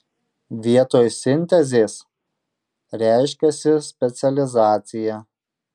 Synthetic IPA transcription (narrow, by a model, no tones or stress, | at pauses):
ʋʲiɛt̪oːjsʲɪnʲt̪ʲɛzʲeːs | ɾʲæˑɪʃʲkʲɛsʲɪsʲpʲɛt̪sʲɛlʲɪzɑːt̪sʲɪjæ